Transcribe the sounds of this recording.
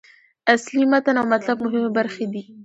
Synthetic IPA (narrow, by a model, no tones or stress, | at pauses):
aslimat̪anawmat̪labmʊɦɪmebaɾxed̪i